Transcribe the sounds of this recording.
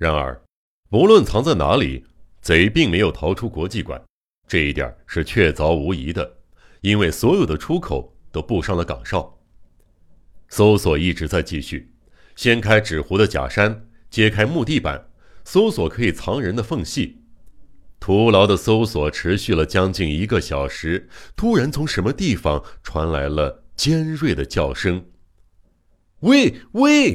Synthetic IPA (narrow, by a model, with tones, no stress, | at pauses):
ɻa˧˥nə̰˞˧˥ | pu˧˥lwə˥˩nt͡sʰɑ˧˥ŋt͡sa˥˩ɪna̰˧˥lḭ˨˩˦ | t͡swe˧˥ɪpi˥˩ŋme˧˥ɪjo˨˩ʊt̪ʰɑ˧˥ʊʈ͡ʂʰu˥kwɔ˧˥t͡ɕi˥˩kwa̰˨˩˦n | ʈ͡ʂɤ˥˧i˥˩t̪ja̰˨˩ʂɻ̩˥˧t͡ɕʰɥɛ˥˩t͡sɑ˧˥ʊu˧˥i˧˥d̪ə˧ | i˥nwe˥˩ɪswɔ˧˥jo˨˩d̪ə˦ʈ͡ʂʰu˥kʰo˨˩ʊt̪o˥ʊpu˥˧ʂɑ˥˩ŋlə˩kɑ̰˨˩ŋʂɑ˥˩ʊ | so˥ʊswɔ˨˩i˥˩ʈ͡ʂɻ̩˧˥t͡sa˥˧ɪt͡ɕi˥˧ɕy˥˩ | ɕjɛ˥nkʰa˥ɪʈ͡ʂɻ̩˨˩xu˧˥d̪ə˧t͡ɕja̰˨˩ʂa˥n | t͡ɕjɛ˥kʰa˥ɪmu˥˧t̪i˥˩pa̰˨˩˦n | so˥ʊswɔ˨˩kʰɤ˧˥i˨˩t͡sʰɑ˧˥ŋɻə˧˥nd̪ə˧fɤ˥˧ŋɕi˥˩ | t̪ʰu˧˥lɑ˧˥ʊd̪ə˧so˥ʊswɔ˨˩ʈ͡ʂʰɻ̩˧˥ɕy˥˩lə˩t͡ɕjɑ˥ŋt͡ɕi˥˩ni˧˥ɡə˧ɕjɑ˨˩ʊʂɻ̩˧˥t̪ʰu˥ɻa˧˥nt͡sʰʊ˧˥ŋʂə˧˥nmə˧t̪i˥˩fɑ˨˩ŋʈ͡ʂʰwa̰˧˥nla˧˥ɪlə˧t͡ɕjɛ˥nɻwe˥˩ɪd̪ə˩t͡ɕjɑ˥˩ʊʂɤ˥ŋ | we˥˩ɪwe˥˩ɪ